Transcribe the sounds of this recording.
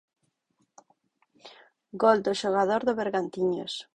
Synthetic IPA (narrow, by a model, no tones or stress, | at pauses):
ɡold̪ʊʃoɣ̞aðoɾðʊβeɾɣant̪iɲo̰s